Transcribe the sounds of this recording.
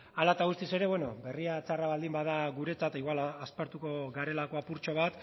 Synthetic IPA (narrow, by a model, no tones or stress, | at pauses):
alat̪aɣust̪ise̞ɾe̞βweno̞be̞riat͡saraβald̪imbaðaɣuɾe̞t͡sat̪iɣwalaaspaɾt̪uko̞ɣaɾe̞lako̞apuɾt͡ʃo̞β̞at̪